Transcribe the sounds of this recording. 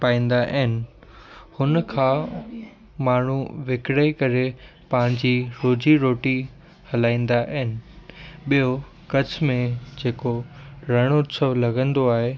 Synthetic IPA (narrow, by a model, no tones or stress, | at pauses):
paːĩːn̆d̪aʔɦɪnɪ̆ | hʊnkʰãː | maːɳ̤uʋɪkɽəikɐɾe | pãɪ̃ɲd͡ʑiːɾoːd͡ʑiɾoːʈi | hɐlaːĩːn̆d̪aʔɐɦɪnɪ̆ɓijo | kɐd͡ʑʰmẽd͡ʑeːkoɾɐɽ̃oʊt̪səʋlɐɡʱə̃nd̪oaːɦe